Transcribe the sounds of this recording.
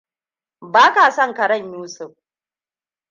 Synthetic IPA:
baː˦kaː˨sɐ˦˨ŋkɐ˨ɽɐ˦˨ɲjuː˦sʊ˨ɸ

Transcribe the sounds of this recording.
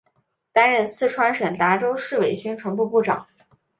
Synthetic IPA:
t̪a˥nɻə˥˧nsɹ̩˥˩ʈ͡ʂʰwa˧˥nʂə˨˩nt̪a˧˥ʈ͡ʂo˥ʊʂɻ̩˥˩we˨˩ɪt͡ɕy˥nʈ͡ʂʰwa˧˥npu˥˧pu˥˩ʈ͡ʂɑ̰˨˩˦ŋ

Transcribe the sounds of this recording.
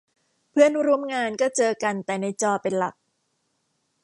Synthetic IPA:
pʰɯ˥˩ənɾu˧˩əmŋaː˧nkɔː˥˩t͡ɕɤː˧ka˧nt̪ɛː˨˩na˧jt͡ɕɔː˧pe˧nla̰˨˩k̚

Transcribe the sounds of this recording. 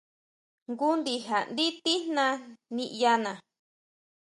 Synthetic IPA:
ŋɡu˦nd̪i˧ɦa˨nd̪i˦t̪i˦hnã˧nĩ˧ʔja˧nã˨

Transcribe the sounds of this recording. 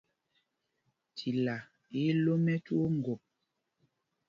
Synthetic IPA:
tʰi˨la˨ | i˦lo˦mɛ˦tu˦o˦ŋ̩˨ɡo˨p̚

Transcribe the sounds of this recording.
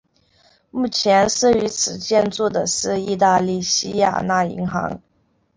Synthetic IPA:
mu˥˩t͡ɕʰjɛ˧˥nʂ̩˥˩y˧˥t͡sʰɹ̩˨˩t͡ɕjɛ˥˧nt͡su˥˩d̪ə˩ʂɻ̩˥˧i˥˧t̪̬a˥˧li˥˩ɕi˥ja̰˨˩na˥˩ḭ˧˥ŋxɑ̰˧˥ŋ

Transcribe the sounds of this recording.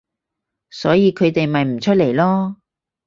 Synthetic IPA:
sɔː˨˥jiː˧kʰɵ˨˧ɥt̪e˨jmɐ˨jm̩˨˩t͡ʃʰɵ˥t̚le˨˩jlɔː˥

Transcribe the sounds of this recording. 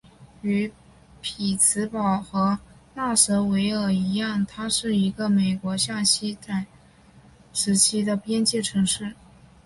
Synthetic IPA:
y˧˥ | pʰi˨˩t͡sʰɹ̩˧˥pɑ˨˩ʊxɤ˧˥ | na˥˩sɤ˧˥we˧˥ɪə˞˨˩i˧˥jɑ˥˩ŋt̪ʰa˥ʂɻ̩˥˩i˧˥ɡə˧me˨˩ɪkwɔ˧˥ɕjɑ˥˩ŋɕi˥t͡sa˥˩ɪ | ʂɻ̩˧˥t͡ɕʰi˥d̪ə˨pjɛ˥nt͡ɕjɛ˥˩ʈ͡ʂʰɤ˧˥ŋʂɻ̩˥˩

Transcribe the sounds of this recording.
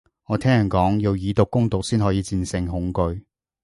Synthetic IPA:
ŋɔː˨˧t̪ʰɛː˥ŋjɐ˨˩nkɔː˨˥ŋji˨˧wjiː˨˧t̪ʊ˨kːʊ˥ŋt̪ʊ˨k̚siː˥nɦɔː˨˥jiː˨˧t͡siː˧nsɪ˧ŋɦʊ˨˥ŋkɵ˧ɥ

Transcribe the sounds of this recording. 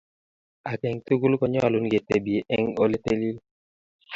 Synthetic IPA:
a˨kɛ˨ŋtu˦ɡu˦lkɔ˨ɲɔ˦a˨lu˨˦nɡe˨te˨bi˨e˨ʔɛ˦ŋo˦le˦te˦li˦l

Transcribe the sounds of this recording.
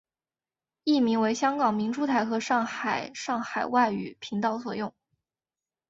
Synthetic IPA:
i˥˩mi˧˥ŋwe˧˥ɪɕjɑ˥ŋkɑ˨˩ŋmi˧˥ŋʈ͡ʂu˥t̪ʰa˧˥ɪxɤ˧˥ʂɑ˥˩ŋxa˨˩ɪʂɑ˥˩ŋxa˨˩ɪwa˥˩ɪy˨˩pʰi˧˥ŋt̪ɑ˥˩ʊswɔ˨˩jʊ˥˩ŋ

